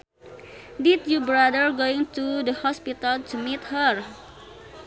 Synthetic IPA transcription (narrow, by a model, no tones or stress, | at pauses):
dit̚jubɾadəɹɡoɪ̃ŋtudəhɔspit̪altumit̪həɹ